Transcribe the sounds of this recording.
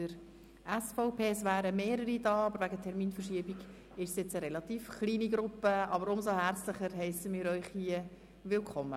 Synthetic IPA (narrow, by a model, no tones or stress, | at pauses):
əɾ | æsfɔʊpʰeːsʋæːɾəmeːɾəɾidɑːɑbəɾvæɡətʰɛɾmiːnfəɾʃiəbiɡ | ɪʃsjɛt͡səɾɛlɑt̪iːfχliːniɡɾʊpːəɑbəɾʊmsohæɾt͡sləχəɾɦɛɪsəmɪːɾœʏχhiə | ʋɪlkʰχɔmːə